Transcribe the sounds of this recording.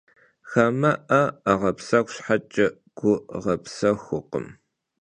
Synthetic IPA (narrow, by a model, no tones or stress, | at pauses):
xɐmɐʔɐaʁɐpsɐkʷɕħat͡ʃʼɐ | ɡ̥ʷʊʁɐpsɐxʷʊqə̰m